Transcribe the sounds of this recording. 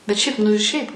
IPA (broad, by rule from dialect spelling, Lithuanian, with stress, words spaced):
bʲɛt ˈʃʲɛɪp nʊ ɪ ˈʃʲɛɪp